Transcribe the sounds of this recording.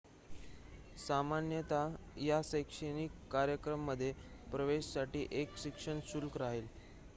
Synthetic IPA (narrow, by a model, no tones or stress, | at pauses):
samanjət̪ajasekʂeniːkːaɾjəkɾəmːəd̪ʱːjepɾəʋeɕsaʈiːʔekɕikʂəɳsulkɾaɦil